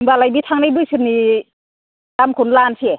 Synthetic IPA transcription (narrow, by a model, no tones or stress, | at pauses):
ŋbalajbit̪ʰaŋnajbɯsʰɯɾni | damkʰunlansʰie